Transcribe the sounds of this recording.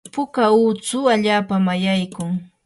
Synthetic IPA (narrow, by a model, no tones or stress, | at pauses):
pʊkauːt͡sʊaʎaːpamajajkʊŋ